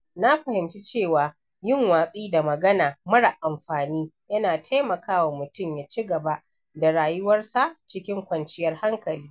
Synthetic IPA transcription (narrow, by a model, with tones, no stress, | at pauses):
na˦ɸɐ˨hɪ˨mt͡ʃi˦t͡ʃeː˦˨waː˨ | jɪ˦˨ŋwaː˨sʼiː˦da˨mɐ˨ɡɐ˦naː˨mɐ˦ɽa˨ʔa˨mɸaː˨niː˦jɐ˦naː˨tʰa˦jmɐ˨kʰaː˦wa˨mʊ˨tʊ˦mjaː˨t͡ʃi˦ɡɐ˨ba˦ | da˨ɽaː˨jʊ˦wɐ˦rsa˦˨t͡ʃɪ˦kʲɪ˦ŋkʷɐ˨nt͡ʃɪ˦jɐ˦rha˦ŋkɐ˨liː˦